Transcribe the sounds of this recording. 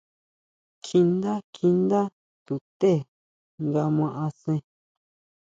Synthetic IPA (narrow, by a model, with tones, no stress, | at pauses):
kʰi˧nd̪a˦kʰi˧nd̪a˦ | t̪u˨t̪e˦˨ | ŋɡa˧mã˧ʔã˧sẽ˧